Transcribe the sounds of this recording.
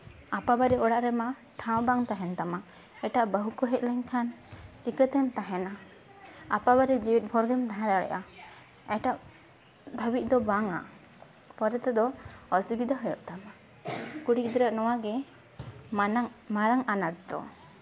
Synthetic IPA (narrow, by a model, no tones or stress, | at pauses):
apabaɾɛɔɽaʔɾɛma | ʈʰãwɔ̃baŋt̪aɦɛnt̪ama | ɛʈaʔbəɦukɔɦɛt̪̚ˀlɛɲkʰant͡ʃikət̪ɛmt̪aɦɛnaː | pabaɾɛd͡ʒiwit̪̚bʱɔɾɡɛmt̪aɦɛ̃d̪aɽɛ̰ʔa | ɛʈaʔ | d̪ʱəbit̪̚ˀd̪ɔbaŋa̰ | pɔɾɛt̪ɛd̪ɔɔsubid̪ʱaɦɔjɔʔt̪ama | kuɽik̚d̪ɔɾəʔnɔwaɡɛ | maɾaŋanaʈ̚d̪ɔ̰